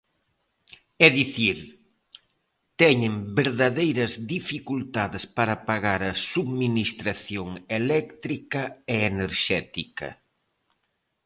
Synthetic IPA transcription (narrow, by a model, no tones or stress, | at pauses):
ɛðiθiɾ | t̪ɛɲɪmbeɾðaðejɾɐzðifikult̪aðɪspaɾɐpaɣaɾɐsuðminist̪ɾaθjoŋelɛkt̪ɾikɐeːneɾʃɛt̪ikɐ̰